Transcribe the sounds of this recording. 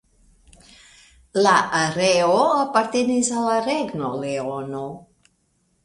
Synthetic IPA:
laʔaɾeoapaɾt̪enizalaɾɛɡnoleono

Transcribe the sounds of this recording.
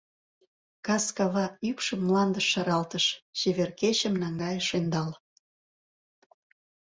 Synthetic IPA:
kɑskɑβɑypʃəmːlɑnd̪əʃːɑɾɑlt̪əʃt͡ɕeβerkeɕəmnɑŋɡɑjəʃend̪ɑl

